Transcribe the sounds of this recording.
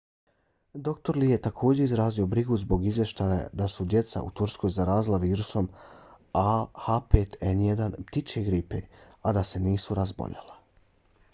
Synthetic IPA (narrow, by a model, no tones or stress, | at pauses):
d̪o̞kt̪o̞ɾlijet̪akʰo̞ːd͡ʑe̞izɾaːzio̞bɾiɡuzbo̞ɡizʋje̞ʃt̪aja̰d̪asud̪je̞t̪sa̰ṵt̪uɾsko̞ːjzaɾaːzilˠaʋiːɾuso̞m | ahapeːt̪ʰenjed̪anpt̪it͡ʃeɡɾipe̞̰ | ad̪ase̞niːsuɾazbo̰ʎa̰la